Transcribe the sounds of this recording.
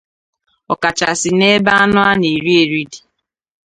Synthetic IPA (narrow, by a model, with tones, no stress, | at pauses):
ɔ˨ka˨t͡ʃa˨sɪ˨ne˦ba˦a˦nʊ˦a˦ne˨ɾi˦e˨ɾi˦di˨